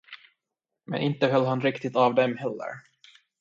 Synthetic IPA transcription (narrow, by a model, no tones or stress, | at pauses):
mɛ̰nɪnt̪əɦœlːɦanɾɪkt̪ɪt̪avd̪ɛmhɛlːə̰ɾ